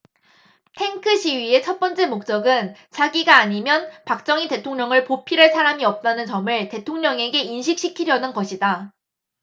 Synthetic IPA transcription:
tʰe̞ŋkʰɯɕʰiɥie̞t͡ɕʰʌt̚p͈ʌnt͡ɕ͈e̞mok̚t͡ɕ͈ʌɡɯnt͡ɕʰaɡiɡaːɲimjʌnpak̚t͡ɕ͈ʌŋite̞tʰoŋɲʌŋɯɭpopʰiɾɯɭsʰaɾamiʌp̚t͈anɯnt͡ɕʌmɯɭte̞tʰoŋɲʌŋe̞ɡe̞inɕʰik̚ɕ͈ikʰiɾjʌnɯnɡʌɕʰida

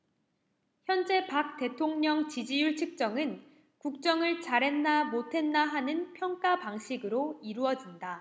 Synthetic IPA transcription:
çjʌnd͡ʑe̞pak̚t͈e̞tʰoŋɲʌŋt͡ɕid͡ʑijuɭt͡ɕʰɯk̚t͡ɕ͈ʌŋɯn | kuk̚t͡ɕ͈ʌŋɯɭt͡ɕaɾe̞nːamotʰe̞nːaɦanɯnpʰjʌŋk͈apaŋɕʰiɡɯɾoiɾuʌd͡ʑinda

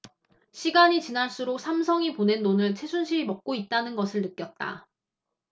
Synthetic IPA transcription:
ɕʰiɡaɲit͡ɕinaɭs͈uɾok̚sʰamsʰʌŋipone̞nːonɯɭt͡ɕʰe̞sʰunɕʰiɾimʌk̚k͈oit̚t͈anɯnɡʌsʰɯɭnɯk͈jʌt̚t͈a̰

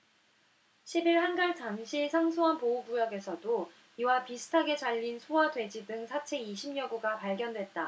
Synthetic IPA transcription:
ɕʰibiɭhanɡaɭtanɕʰisʰaŋsʰoɦanpoubujʌɡe̞sʰʌdo | iwapisʰɯ̥tʰaɡe̞t͡ɕaʎːinsʰowadwe̞d͡ʑidɯŋsʰat͡ɕʰe̞iɕʰimɲʌɡuɡapaɭɡjʌndwe̞t̚t͈a

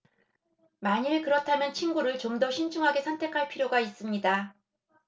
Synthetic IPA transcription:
maɲiɭkɯɾʌtʰamjʌnt͡ɕʰinɡuɾɯɭt͡ɕomdʌɕʰint͡ɕʰuŋɦaɡe̞sʰʌntʰe̞kʰaɭpʰiɾjoɡais͈ɯmɲida

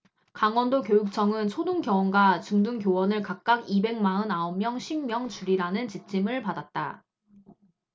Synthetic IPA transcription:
kaŋwʌndok̬jojuk̚t͡ɕʰʌŋɯnt͡ɕʰoduŋkjʌwʌnɡat͡ɕuŋduŋk̬jowʌnɯɭkak̚k͈aɡibe̞ŋmaɯnaommjʌŋɕʰimmjʌŋt͡ɕuɾiɾanɯnt͡ɕit͡ɕ͈ʰimɯɭpadat̚t͈a̰

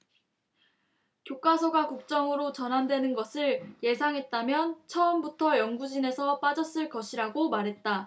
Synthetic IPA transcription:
kjok͈asʰʌɡakuk̚t͡ɕ͈ʌŋɯɾot͡ɕʌnɦandwe̞nɯnɡʌsʰɯɭje̞sʰaŋɦe̞t̚t͈amjʌnt͡ɕʰʌʌmbutʰʌjʌŋɡud͡ʑine̞sʰʌp͈ad͡ʑʌs͈ɯɭkʌɕʰiɾaɡomaɾɦe̞t̚t͈a

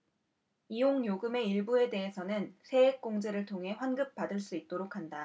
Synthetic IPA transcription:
ijoŋjoɡɯme̞iɭbue̞de̞ɦesʰʌnɯnsʰe̞ek̚k͈oŋd͡ʑe̞ɾɯɭtʰoŋɦe̞ɸwanɡɯp̚p͈adɯɭs͈uit̚t͈oɾokʰanda

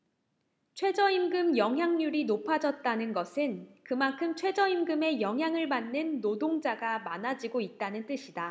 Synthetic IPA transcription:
t͡ɕʰwe̞d͡ʑʌimɡɯmjʌŋɦjaŋɲuɾinopʰad͡ʑʌt̚t͈anɯnɡʌsʰɯnkɯmankʰɯmt͡ɕʰwe̞d͡ʑʌimɡɯme̞jʌŋɦjaŋɯɭmanːɯnːodoŋd͡ʑaɡamanad͡ʑiɡoit̚t͈anɯnt͈ɯɕʰida

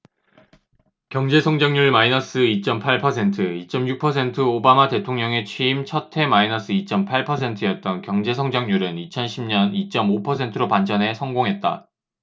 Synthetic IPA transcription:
kjʌŋd͡ʑe̞sʰʌŋd͡ʑʌŋɲuɭmainʌs͈ɯit͡ɕ͈ʌmpʰaɭpʰʌsʰe̞ntʰɯit͡ɕ͈ʌmjuk̚pʰʌsʰe̞ntʰɯobamate̞tʰoŋɲʌŋe̞t͡ɕʰwiimt͡ɕʰʌtʰe̞mainʌs͈ɯit͡ɕ͈ʌmpʰaɭpʰʌsʰe̞ntʰɯjʌt̚t͈ʌnkjʌŋd͡ʑe̞sʰʌŋd͡ʑʌŋɲuɾɯnit͡ɕʰʌnɕʰimɲʌnit͡ɕ͈ʌmopʰʌsʰe̞ntʰɯɾopand͡ʑʌnɦe̞sʰʌŋɡoŋɦe̞t̚t͈a̰

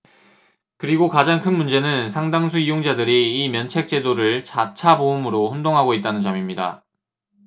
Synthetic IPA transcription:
kɯɾiɡokad͡ʑaŋkʰɯnmund͡ʑe̞nɯnsʰaŋdaŋsʰuijoŋd͡ʑadɯɾiːmjʌnt͡ɕʰe̞k̚t͡ɕ͈e̞doɾɯɭt͡ɕat͡ɕʰaboɯmɯɾoɸondoŋɦaɡoit̚t͈anɯnt͡ɕʌmimɲida̰

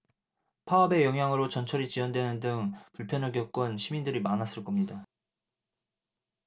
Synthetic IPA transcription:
pʰaʌbe̞jʌŋɦjaŋɯɾot͡ɕʌnt͡ɕʰʌɾit͡ɕiwʌndwenɯndɯŋpuɭpʰjʌnʌɡjʌk͈ɯnɕʰimindɯɾimanas͈ɯɭk͈ʌmɲida

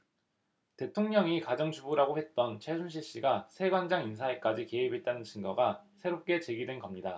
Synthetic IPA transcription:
te̞tʰoŋɲʌŋikad͡ʑʌŋt͡ɕʰubuɾaɡohe̞t̚t͈ʌnt͡ɕʰesʰunɕ̬ʰiɭɕ͈iɡasʰe̞ɡwand͡ʑaŋins̬ʰaek͈ad͡ʑike̞ibe̞t̚t͈anɯnt͡ɕʰinɡʌɡasʰe̞ɾop̚k͈e̞t͡ɕe̞ɡidwenɡʌmɲida

